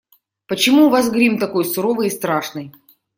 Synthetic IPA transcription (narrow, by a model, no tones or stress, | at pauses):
pət͡ɕɪmuːvas̬ɡɾʲimt̪ɐko̞jsʊɾovɨjɪst̪ɾaʂnɨj